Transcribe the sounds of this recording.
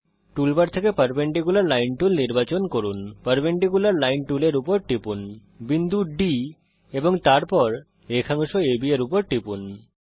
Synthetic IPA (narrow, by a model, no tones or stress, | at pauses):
ʈulbaɾt̪ʰekepəɾbeɳʈiɡulaɾlajnʈulniɾbat͡ɕonkoɾunpəɾbeɳʈiɡulaɾlajnʈuleɾupoɾʈipun | bind̪uɖi | eboŋt̪aɾpɔɾ | ekʰaŋuʃoebieɾupoɾʈipun